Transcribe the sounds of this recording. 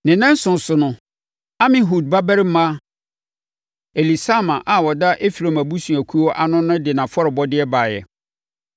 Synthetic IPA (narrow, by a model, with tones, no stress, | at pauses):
nɪ̃˨nã˦n̩˦sʊ̃˨n˨sʊ˨nʊ̃˨ | a˦mɪ̃˨ɦu˨d̚ba˦bæ˦ɾɪ˦m̩˦mã˦ | e˨li˨sa˦mã˨ʔa˨wɔ˨da˦ʔe˦fi˨ɾo˨mæ˨bu˦sũ˨æ˨kʰu˦ɔ˦ʔa˨nʊ̃˦nʊ̃˦dɪ˨nã˨fɔ˦ɾɪ˨bɔ˦dɪ˦ɛ˦baː˨jɛ̰˨